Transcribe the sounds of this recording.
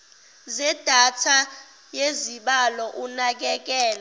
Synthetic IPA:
zɛd̥ʱatʰa | jeziɓalɔʔunak̬ɛk̬ɛːla

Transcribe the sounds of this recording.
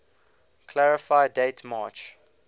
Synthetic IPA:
kʰlaɹɪfaɪdeɪtʰmaːt͡ʃ

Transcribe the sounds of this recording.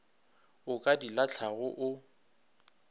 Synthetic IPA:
ʊkʼadilat͡ɬʰaɣʊʔʊ

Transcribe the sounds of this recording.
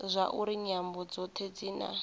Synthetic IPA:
zʷaʔuɾiɲambɔd͡zɔt̪ʰed͡ziːna̰

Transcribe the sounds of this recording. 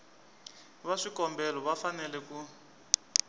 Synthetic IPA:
βaʂikɔmbɛlɔβafanɛlɛku

